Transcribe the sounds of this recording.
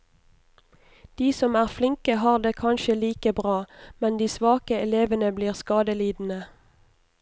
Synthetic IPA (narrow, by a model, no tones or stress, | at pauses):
d̪̥iːsɔmæːʁflɪŋkəhɑːʁd̪eːkʰɑnʃəliːkəbʁɑːmɛnd̪iːsʋɑːkəɛleːʋənəbliːʁskɑːd̪əliːd̪n̩ə